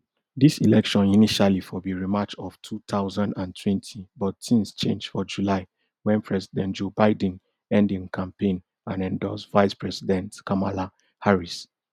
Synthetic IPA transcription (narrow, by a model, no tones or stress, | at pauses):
disilɛkʃɔ̃niniʃalifɔðiɹimat͡ʃɔftʰut̪aʊzãndãntʰwɛ̃ntʰibɔtːĩmst͡ʃẽnd͡ʒfɔd͡ʒulaɪ | wɛ̃npʰɹɛsidɛ̃ntd͡ʒobaɪd̃n | ɛ̃ndĩŋkʰãmpẽn | ãnɛ̃ndɔsvaɪspɹɛsidɛ̃ntkʰamala | haɹis